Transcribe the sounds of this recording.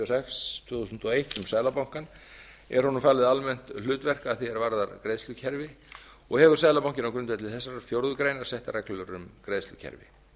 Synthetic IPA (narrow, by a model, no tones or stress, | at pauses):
sɛxst̪ʰʏːθusʏnt̪ɔejht̪ʏmsaːðlapawŋ̥kan | ɛɾ̥hɔnʏmfaːlɪðalmɛn̥t̪lʏːt̪vɛr̥kaːðθiɛɾvaɾðaɾkɾeːðst̪ʏcʰɛɾvɪ | ɔɣhɛːvʏɾ̥saːðlapawŋcɪnawkɾʏnt̪ɛt̪ʰlɪθɛsːaɾḁfjowɾðʏkɾeːjnaɾ̥sɛht̪arɛklœʏɾʏmkɾejðst̪ʏ̰cʰɛ̰ɾvɪ̰